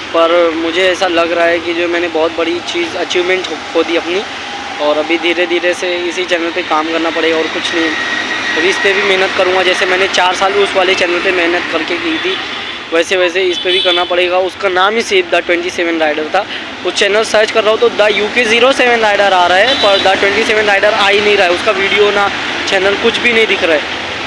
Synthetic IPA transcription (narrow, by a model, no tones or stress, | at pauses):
pɐɾmʊd͡ʒʱeɛːsalɐɡɾɐaɦɛkid͡ʒoːmɛːnebɔːt̪̚bɐɽit͡ʃiːzɐt͡ʃiːʋmɛ̃ɳʈɦɦoːd̪iɐpni | ɔːɾɐbʱid̪ʱiːɾed̪ʱiːɾeseɪsit͡ʃɛːnəlpekaːmkɐɾnapɐɽeːɡaɔːɾkʊt͡ʃʰnɐɦĩɐbʱiɪspebʱimɛɦnət̪kɐɾũːŋɡad͡ʒɛːsemɛ̃ːnet͡ʃaːɾsaːlbiʊsʋaːlet͡ʃɛːnəlpemɪɦnət̪kɐɾkekiːt̪ʰiː | ʋɛːseʋɛːs̬eɪspebʱikɐɾnapɐɽeːɡaʊskanaːmɪseːbd̪aʈwɛ̃ɳʈiseːʋə̃nɾaːɪɖəɾt̪ʰaː | ʊt͡ʃɛːnəlsɐɾt͡ʃkɐɾːaɦot̪od̪ajuːkeziːɾoseːʋə̃nɾaːɪɖəɾaːɾaɛpɐɾd̪aʈwɛ̃ɳʈiseːʋə̃nɾaːɪɖəɾaːinɐɦĩɾaaɛʊskaʋiːɖijona | t͡ʃɛːnəlkʊt͡ʃʰbʱinɐɦĩd̪ɪkʰɾaɛː